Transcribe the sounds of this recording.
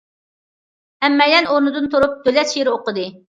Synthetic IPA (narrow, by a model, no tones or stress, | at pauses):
ɛmːɛjd̪ɛnoɾnɨd̪ɨnt̪ʰuɾup̚d̪̥ølɛt̪ʃiɾɪoqəd̪ɨ